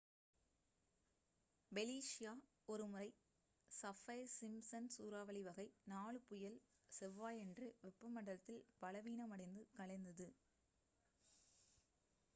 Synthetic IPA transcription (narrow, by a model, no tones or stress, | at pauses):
bɛliːʂɪjaː | ɔɾɯmɯɐɪ | sɐfɐsɪmsɐnsuːɾaːʋɐɭɪʋɐɣɐɪnaːɭɯpʊjɐlsɛʋːaːjɛndrɯʋɛpːɯmɐɳɽɐt̪ːɪlpɐlɐʋiːnɐmɐɽɐɪnd̪ɯkɐɭɐɪnd̪ɐðɯ